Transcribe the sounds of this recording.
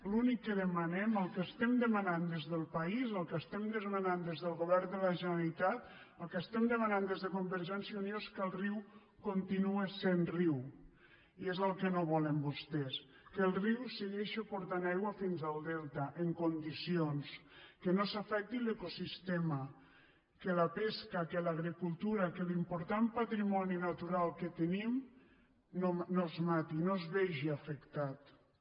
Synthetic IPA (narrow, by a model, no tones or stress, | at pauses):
lunikːəðəmanɛməlˠkəst̪ɛmd̪əmanand̪ezðəlˠpaizəlˠkəst̪ɛmd̪əzmanand̪ezðəlˠɣuβɛɾnd̪əlaʒənəlit̪at̪ | əlˠkəst̪ɛmd̪əmanand̪ezðəkumbəɾʒɛnsjaunjoeskəlˠriw | kont̪inuesenriw | iezəlˠkənoβɔləmbust̪ɛs | kelˠriwseɣeʃopoɾt̪anajɣwafinzalˠd̪ɛlˠt̪aʔeŋkond̪isionskenosafɛk̚t̪ilekosist̪ema | kelapeskakelaɣɾikulˠt̪uɾakelimpoɾt̪ampat̪ɾimɔninat̪uɾalˠket̪enim | nonozmat̪inozβeʒiafekt̪at̪